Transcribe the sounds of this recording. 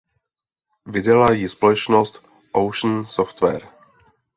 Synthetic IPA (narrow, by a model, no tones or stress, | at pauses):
vɪdalajɪspolɛt͡ʃnost̪ | ʔowʃn̩soft̪vɛ̰ɾ